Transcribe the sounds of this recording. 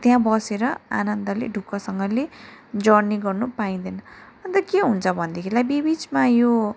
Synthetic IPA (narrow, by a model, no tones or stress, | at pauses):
t̪jãbʌseɾʌa̰nʌnd̪ʌlḛɖʱukːʌsʌŋɡʌled͡zʌɽniɡʌrnupaĩd̪ʌnʌʌnt̪ʌkeɦunt͡sʰʌbʱʌnd̪ekʰilajbibit͡smajo